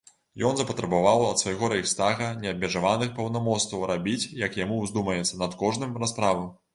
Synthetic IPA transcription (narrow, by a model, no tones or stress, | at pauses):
jɔnzɐpɐt̪ɾɐbavawɐt̪svajɣɔɾɐixst̪aɣɐnʲɛɐb̚ʲmʲɛʐavanɨxpɐwnamɔst̪vɐwɾabʲit͡sʲjɐkjamuzd̪umɐjɛt̪sɐnɐt̪kɔʐnɨmraspɾavɐ